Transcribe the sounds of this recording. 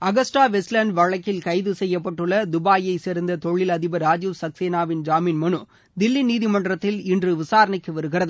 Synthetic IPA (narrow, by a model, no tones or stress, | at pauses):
ɐɣɐsʈaːʋɛslɐɳɖʋɐɻɐkːɪlkɐɪðɯsɛjːɐpːɐʈːɯɭːɐd̪ʊbaːjɐɪsɛɾɯnd̪ɐt̪ɔɻːɪlɐðɪbɐɾaːd͡ʒuʋsɐkseːnaːʋɪnd͡ʒaːmiːnmɐɳɯ | d̪ɪlːiniːðɪmɐɳɖrɐt̪ːɪlɪndrɯʋɪsaːɾɐɳɐɪkːɯʋɐɾɯɣɪrɐðɯ